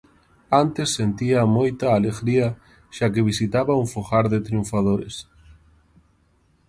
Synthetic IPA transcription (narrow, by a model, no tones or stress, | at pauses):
ant̪esːent̪iɐmojt̪ɐːleɣɾiɐ | ʃakɪβisit̪aβɐuɱfoxaɾðet̪ɾiuɱfaðoɾḛs